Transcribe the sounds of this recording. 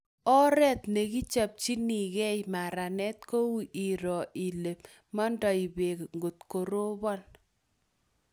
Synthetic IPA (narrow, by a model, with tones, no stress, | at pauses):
ɔ˦ɾɛ˦t̪ne˨ki˦t͡ʃa˨p̚t͡ʃi˦ni˨kɛ˦jma˨ɾa˨nɛ˦t̚ko˦wu˨ʔi˨ɾɔ˨ʔi˨le˨p̚ | mɔ˦ndɔ˨i˨be˨kŋɡo˨tko˨ɾo˦bɔ˦n